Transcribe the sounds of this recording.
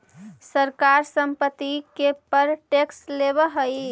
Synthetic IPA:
səɾkaɾsəmpət̪ːikepəɾʈekslebəɦəj

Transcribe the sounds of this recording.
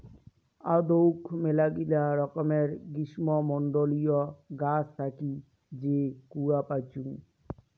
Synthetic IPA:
ad̪owkmelaɡilaɾɔkɔmeɾɡiʃmɔmɔɳɖolijɔɡast̪ʰaki | d͡ʑekuapat͡ɕuŋ

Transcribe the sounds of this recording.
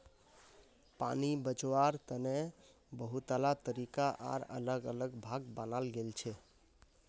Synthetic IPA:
pa̰nibət͡ʃwaɾt̪əne | bəɦut̪əlat̪əɾikaʔa̰ɾə̰ləɡələɡbʱaɡbənalɡelt͡ʃʰɛ

